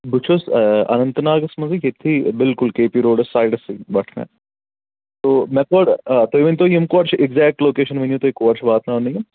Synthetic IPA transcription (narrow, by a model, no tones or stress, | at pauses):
but͡ʃʰosɐ̰nɐ̃nt̪naːɡɐsmɐziket̪ʰibɪlkʊlkeːpiɾoːɖɐsːaːɪɖɐsibɐʈʰnḛ̃ | t̪oːmɛ̃koːɖt̪oːiʋɐnʲt̪ojimkoʋɐɾt͡ʃʰɪɡzɛːk̚ʈloːkeːʃɐnʋɐnjũt̪oːikoʋɐɾt͡ʃʰbaːt̪naːnɐjɐ